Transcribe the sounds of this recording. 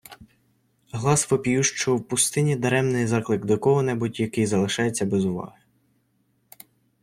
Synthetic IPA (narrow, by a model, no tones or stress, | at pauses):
ɦlˠɑsʋɔpʲjuʃt͡ʃɔwpʊst̪ɪnʲid̪ɐɾɛmnɪjzɑklˠɪkd̪ɔkɔɦɔnɛbutʲjɐkɪjzɐlˠɪʃɑjet͡sʲːɐbɛzʊʋɑ̰ɦɪ